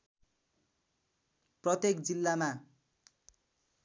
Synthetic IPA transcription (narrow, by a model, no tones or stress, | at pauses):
prʌt̪ek̚d͡zilːama